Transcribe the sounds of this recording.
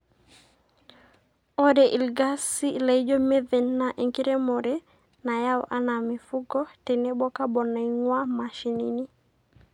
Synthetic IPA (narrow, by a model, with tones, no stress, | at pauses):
ɔ˦de˨ʔi˨lɡa˦si˦la˨i˦d͡ʒo˦me˦ðɛ˨nːaʔe˨ŋki˦ɾe˦mɔɾe˦ | na˨ja˦wa̰˦na˨mi˨fu˦ɡɔ˦tɛ˨ne˦bɔ˦ka˦bɔ˨na˨iŋwa˦ma˨ʃi˨ni˨ni˦